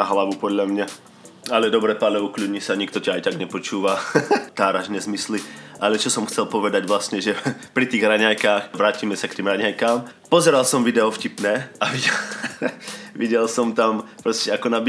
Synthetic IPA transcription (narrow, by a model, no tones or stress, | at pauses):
naɦlaʋupɔd̪ʎamɲa | alɛd̪ɔbɾɛpalɛuklʲudɲisaɲikt̪ɔcaajt̪aɡɲɛpɔt͡ʃuːʋat̪aːɾaʒnɛzmisliʔalɛt͡ʃɔsɔmxt͡sɛlpɔʋɛd̪aɟʋlast̪ɲɛʒɛpɾit̪iːɣɾaɲajkaːxʋɾaːcimɛsakt̪iːmɾaɲajkaːm | pɔzɛɾalsɔmʋid̪ɛɔfcipnɛːaʋiɟɛ | ʋiɟɛlsɔmt̪ampɾɔscɛakɔnab